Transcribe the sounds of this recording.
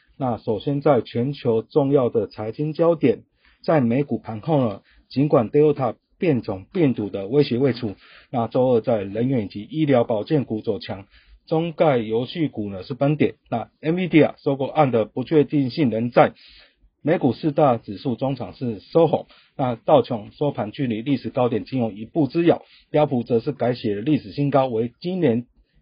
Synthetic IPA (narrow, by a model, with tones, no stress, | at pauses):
na˥˩ʂo˨˩ʊɕjɛ˥nt͡sa˥˩ɪt͡ɕʰɥɛ˧˥nt͡ɕʰjo˧˥ʊʈ͡ʂʊ˥˧ŋjɑ˥˩ʊd̪ə˨˩t͡sʰa˧˥ɪt͡ɕi˥nt͡ɕjɑ˥ʊt̪jɛ˨˩n | t͡sa˥˩ɪme˧˥ɪku˨˩pʰa˧˥nxo˥˩ʊnə˩ | t͡ɕi˧˦nkwa˨˩nt̪e˥ɪo˥˩t̪ʰa˥˧ | pjɛ˥˨nt͡sʰʊ˨˩ŋpjɛ˥˩nt̪u˨˩d̪ə˦we˥ɪɕɥɛ˧˥we˥˩ɪʈ͡ʂʰu˥˦ | na˥˩t͡so˥˧ʊə˥˧t͡sa˥˩ɪlə˧˦nɥɛ˧˥n˨t͡ɕi˧˥ʔi˥ljɑ˧˥ʊpɑ˨˩ʊt͡ɕjɛ˥˩nku˨˩t͡so˨˩t͡ɕʰjɑ˧˥ŋ | t͡so˥ŋka˥˩ɪjo˧˥ʊɕy˥˩ku˨˩nə˦ʂɻ̩˥˩pə˦nt̪jɛ˨˩nna˥˩ɛ˥nvi˥t̪i˥˩a̰˨˩so˥ʊko˥˧ʔa˥˩nd̪ə˨pu˧˦t͡ɕʰɥɛ˥˧t̪i˥˧ŋɕi˥˩ŋɻə˧˥nt͡sa˥˩ɪ | me˧˥ɪku˨˩ʂɹ̩˥˧t̪a˥˩t͡sɻ̩˨˩ʂu˥˩t͡sʊ˥ŋt͡sʰɑ˨˩ŋʂɻ̩˥˨so˥ʊxo˨˩ŋ | na˥˧t̪ɑ˥˩ʊt͡ɕʰjɔ˨˩ŋsɔ˥pʰa˨˥nt͡ɕy˥˧li˥˩li˥˩ʂɻ̩˨˩kɑ˥ʊt̪̬jɛ˨˩nt͡ɕi˧˥njʊ˧˥˦ŋi˧˩pu˥˩t͡sɹ̩˦jɑ˨˩ʊ | pjɑ˥ʊpʰu˨˥t͡sə˧˦ʂɻ̩˥˩ka˧˥ɪɕjɛ˨˩də˦li˥˩ʂɻ̩˨˩ɕi˥nkɑ˥ʊwe˧˥ɪt͡ɕi˦nnjɛ˧˥n